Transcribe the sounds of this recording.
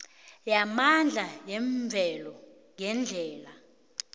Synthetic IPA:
jamand͡ɮʱajɛɱvʱɛlɔ | ŋɛnd͡ɮʱɛːla

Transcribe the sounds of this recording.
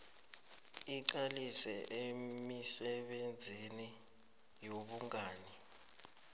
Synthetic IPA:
iǃ̬alisɛʔemisɛɓend͡zʱini | joɓuŋaːni

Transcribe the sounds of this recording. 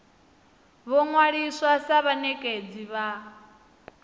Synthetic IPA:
βɔŋwaɺiswasaβanɛkʼed͡ziβa

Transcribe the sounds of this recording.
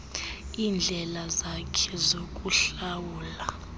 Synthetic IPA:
iːnd͡ɮʱɛlazakʰɛzokʼuɬawuːla

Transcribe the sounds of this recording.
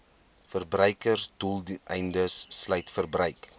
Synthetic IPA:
fərbrœjkərsdulˠdɛjndəsːlœjtfərbrəɥk

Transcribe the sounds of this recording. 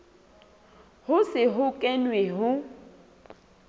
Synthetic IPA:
hʊsɪɦʊkʼɛnweɦʊ

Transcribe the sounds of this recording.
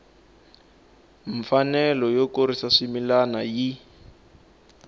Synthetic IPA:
ɱ̩fanɛlɔjokoɾisaʂimilanaji

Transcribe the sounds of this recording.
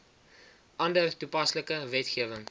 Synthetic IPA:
ʔɐndərtupɐsləkəvɛtχiəvəŋ

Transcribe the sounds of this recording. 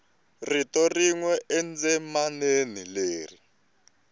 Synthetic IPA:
ritɔriŋwɛʔɛnd͡zɛmanenileːri

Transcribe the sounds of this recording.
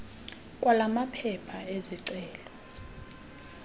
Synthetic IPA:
kʼwalamapʰɛpʰaeziǀɛːlɔ

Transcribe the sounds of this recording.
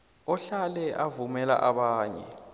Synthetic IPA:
ɔɬalɛʔavumɛla̰ʔaɓaːɲɛ̰

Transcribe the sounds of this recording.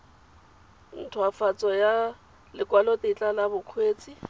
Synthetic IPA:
n̩tʰwafat͡sʼɔja | lɪkʼwalɔtʼet͡ɬʼalabʊkʰweːt͡sʼi

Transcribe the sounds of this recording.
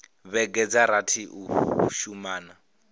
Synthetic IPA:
βɛɡɛd͡zaɾatʰiʔuʃumaːna

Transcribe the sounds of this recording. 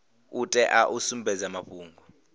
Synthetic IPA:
utʼɛʔaʔusumbʱɛzamaɸuːŋɡʱɔ

